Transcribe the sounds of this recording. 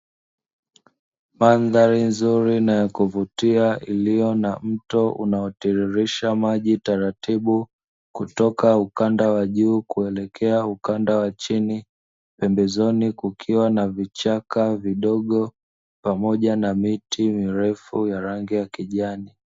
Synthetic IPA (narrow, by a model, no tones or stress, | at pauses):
manðaɾinzuɾinajɔkuvutiaʔilijɔnam̩tɔʔṵnaɔtiɾiɾiʃamaʄitaɾatiɓu | kutɔkaukandawaʄuːkuɛlɛkʰɛaukandawat͡ʃini | pɛmbɛzɔnikukʰiwanavit͡ʃakaviɗɔɠɔ | pamɔʄanamitimiɾɛfujaɾaŋɡijakiʄani